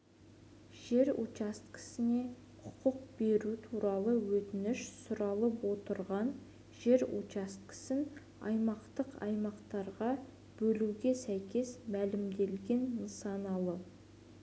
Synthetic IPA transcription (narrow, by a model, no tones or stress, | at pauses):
ʒ̥e̞ɾut͡ʃast̪kʲʰɪ̥sɪne̞ | qʰʊ̥qʊq̚b̥e̞ɾut̪ʰuɾɑlˠəwɵt̪ɪnɪʃsʊɾɑlˠəpwo̞t̪əɾʁɑn | ʒe̞ɾṵast̪̚kɪ̥sɪn | ɑ̰jmɑqt̪əqɑ̰jmɑqt̪ɑɾʁɑ | b̥ɵluɡʲe̞sæjkʲe̞smælɪmd̪e̞lɡʲe̞nːəsɑnɑlˠə